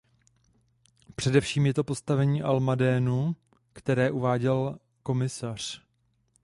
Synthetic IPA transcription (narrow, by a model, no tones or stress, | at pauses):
pr̝̥ɛdɛfʃiːmjɛt̪o̞po̞st̪avɛɲiːʔalmadɛːnu | kt̪ɛɾɛːʔuvaːɟɛl | ko̞mɪsar̝̥